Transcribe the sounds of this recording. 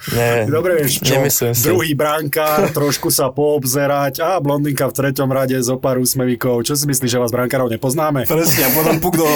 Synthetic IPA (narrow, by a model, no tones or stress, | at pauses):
ɲɛd̪ɔbɾɛʋɪɛʃt͡ʃɔd̪ɾuɦiːbɾaŋkaːɾt̪ɾɔʃkusapɔːbzɛɾacablɔnd̪iŋkaft̪ɾɛcɔmɾaɟɛzɔpaːɾuːsmɛʋiːkɔʊt͡ʃɔs̬imisliːʒɛʋaːzbɾaŋkaːɾɔʊɲɛpɔznaːmɛpɾɛsɲɛpɔt̪ɔmpuɡd̪ɔ